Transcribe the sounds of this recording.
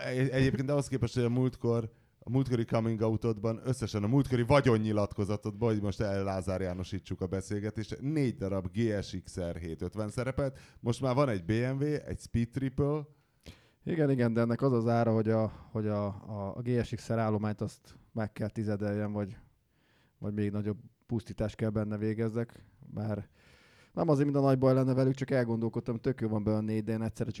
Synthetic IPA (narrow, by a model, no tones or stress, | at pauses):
eʃɛɟeːpkeːnt̪ɒɦoskeːpɛʃt̪ho̞ɟɒmult̪kor | muːlt̪ko̞ɾikɒmiŋɡɒut̪oːd̪bɒnø̞sːɛʃɛnɒmult̪ko̞ɾivɒɟo̞ɲːilɒt̪ko̞zɒt̪o̞d̪bɒɦoɟmo̞ʃt̪ɛlːaːzaːɾjaːno̞ʃiːt͡ʃːukɒbɛseːlɡɛt̪eːʃtneːɟd̪ɒɾɒbɡeːɛʃiksɛrɦeːt̪ø̞t̪ʋɛnsɛɾɛpɛlt̪mo̞ʃt̪maːrvɒnɛɟbeːɛɱveːɛ̰cspiːt̪ːripøl | iɡɛniɡɛnd̪ɛɛnːɛkɒzɒzaːɾɒɦo̞ɟɒho̞ɟɒ̰ːɡeːɛʃiksɛɾaːlːo̞maːɲt̪ɒst̪mɛkːɛlt̪izɛd̪ɛjːɛnvɒɟ | vɒ̰ɟmeːɡnɒɟo̞b | pust̪iːt̪aːʃt̪̚kɛlbɛnːɛveːɡɛzːɛk | mʔaːr | nɛmɒzeːɾmint̪ɒnɒɟbɒjlɛnːɛvɛlyk̚t͡ʃɒkɛlɡo̞nd̪o̞lko̞t̪ːɒmt̪ø̞kjoːvɒmbɛjønːeːɟd̪ɛeːnɛtʲsɛɾɛt͡ʃ